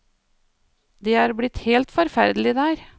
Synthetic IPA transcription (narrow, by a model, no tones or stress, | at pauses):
d̪eːæːɾblɪt̪heːlt̪fɔɾfæɾd̪əlɪd̪æːɾ